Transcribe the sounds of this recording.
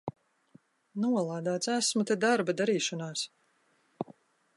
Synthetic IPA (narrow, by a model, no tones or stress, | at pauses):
nuɔlˠaːd̪aːt̪sæsmut̪ɛd̪aɾbad̪aɾiːʃɔnaːs